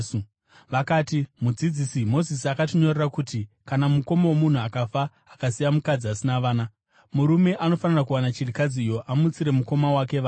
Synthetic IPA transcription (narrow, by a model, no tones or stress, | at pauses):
ʋakaːtimud͡zid͡zisimo̞zisiakatiɲo̞rerakutikanamuko̞mowomun̤uakafaː | kasijamukad͡ziasinaʋaːna | muɾume̞ʔano̞fanirakuwanat͡ʃirikad͡zijo̞ʔamut͡siɾe̞muko̞mawake̞ʋaː